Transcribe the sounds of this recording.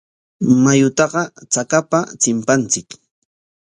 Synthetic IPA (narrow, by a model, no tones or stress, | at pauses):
majʊt̪ɑɢɑt͡sakapat͡sɪmpant͡sɪk